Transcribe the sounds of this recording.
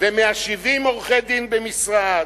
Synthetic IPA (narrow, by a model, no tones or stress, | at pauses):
vemeaʃivimoʁχed̪imbemisʁad